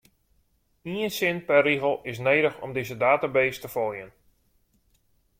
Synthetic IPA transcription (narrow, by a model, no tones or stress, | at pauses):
iənsɪnpɛrriɣəlˠɪs̬neːdəxɔmdɪzədaːtabeːstəfɔljən